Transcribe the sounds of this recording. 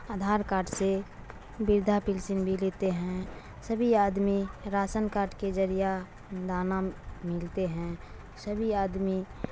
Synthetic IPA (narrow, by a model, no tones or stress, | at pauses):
aːd̪ʱaːɾkaːɾʈse | bɪɾd̪ʱapɪlsɪnbʱileːt̪eɦɛ̃ | səbʱiaːd̪miɾaːsənkaːɾʈked͡ʒəɾija | d̪aːnamɪlt̪eɦɛ̃ | səbʱiaːd̪mi